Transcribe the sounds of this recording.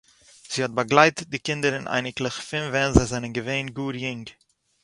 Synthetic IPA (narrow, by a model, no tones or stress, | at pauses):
z̥iːhɔt̚baɡlˠaɪtət̚dɪkɪndəɾɪnʔa̰ɪnɪklˠɪχfɪnvɛnzazanənɡəveɪnɡuːɾjɪŋɡ